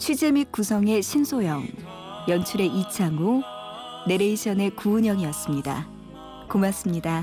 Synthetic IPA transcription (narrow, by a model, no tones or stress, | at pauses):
t͡ɕʰɥid͡ʑe̞mik̚k͈usʰʌŋe̞ɕʰinsʰojʌŋ | jʌnt͡ɕʰuɾe̞ʔit͡ɕʰaŋo | ne̞ɾe̞iɕʰʌne̞kuːɲjʌŋiʌs͈ɯmɲida̰ | komas͈ɯmɲida